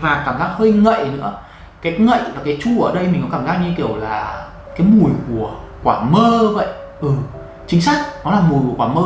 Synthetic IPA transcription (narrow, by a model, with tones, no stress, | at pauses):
vaː˨˩kaː˧˩mzaː˦˥k̚həː˧jŋə̰˧˨jnɨ̰˧˥ə | kaː˨˦jŋə̰˧˨jvaː˨˩kaː˨˦jt͡ɕu˧ʔəː˧˩ɗə˧jmi˨˩kkaː˧˩mzaː˦˥k̚ɲi˧ki˧˩əwlaː˨˩ | kaː˨˦jmu˨˩əjku˧˩ə | kwaː˧˩məː˧və̰˧˨jʔ | ʔɨ˨˩ | t͡ɕï˨˦ŋ̟sa˦˥jk̟̚nɔ˨˦laː˨˩mu˨˩jku˧˩kwaː˧˩məː˧